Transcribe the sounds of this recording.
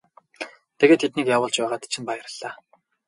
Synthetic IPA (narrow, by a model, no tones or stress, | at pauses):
t̪ʰeɣeːt̪ʰːet̪niːkjaːwʊːɮt͡ɕpæːʁaːt̪t͡ɕʰĭmpajə̆rə̆ɮ̥aː